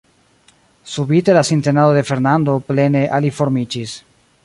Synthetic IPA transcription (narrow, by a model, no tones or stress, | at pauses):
subite̞lasinte̞naod̪e̞fe̞ɾnando̞ple̞ne̞ʔalifo̞ɾmid͡ʒis